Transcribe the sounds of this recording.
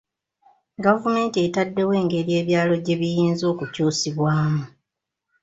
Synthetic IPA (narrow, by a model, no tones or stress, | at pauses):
ɡavume̞ːntietadːe̞we̞ːŋɡe̞ɾije̞ːβjaːlo̞ɟe̞βijiːnzo̞ːkucuːsiβwaːmu